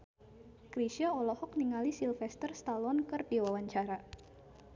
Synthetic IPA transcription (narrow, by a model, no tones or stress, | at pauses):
kɾiʃiaɔlɔhɔk̚niŋalisilfɛst̪ərst̪alɔnkərdiwawaɲt͡ʃaɾa